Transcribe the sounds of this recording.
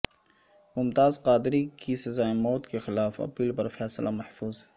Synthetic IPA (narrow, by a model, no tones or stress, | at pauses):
mʊmt̪aːzqaːd̪ɾikisɐzaːemɔːt̪kexɪlaːfɐ̰piːlpɐɾfɛːslʔamɐhfuːz